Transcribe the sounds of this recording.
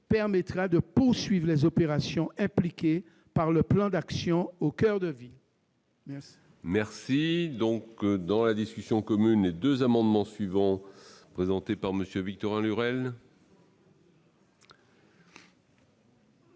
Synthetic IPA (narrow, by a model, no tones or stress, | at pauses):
pɛʁmɛt̪χad̪əpuʁsɥivʁlɛzopeʁasjɔ̃ʔɛ̃plikʲe | paʁləplɑ̃d̪aksjɔ̃okœʁd̪əvil | mɛʁsid̪ɔ̃kd̪ɑ̃lad̪iskʲysjɔ̃kɔmynled̪øzamɑ̃d̪mɑ̃sɥivɑ̃pχezɑ̃t̪epaʁməsjøvik̚t̪ɔʁɛ̃lyʁɛl